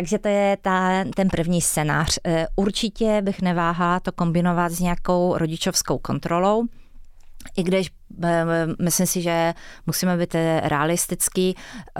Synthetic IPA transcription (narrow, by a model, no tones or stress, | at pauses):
taɡʒɛt̪ojɛt̪at̪ɛnpr̩vɲiːst͡sɛna̰ːr̝̥ʔuɾt͡ʃɪcɛbɪxnɛvaːɦalt̪oko̞mbɪno̞vat̪zɲɛjako̞wɾʔo̞ɟɪt͡ʃo̞fskowko̞nt̪ɾolo̞w | ʔɪɡdɪʃ | mɪslɪmsɪʒɛmusiːmɛbiːt̪ɾʔɛalɪst̪ɪt͡ski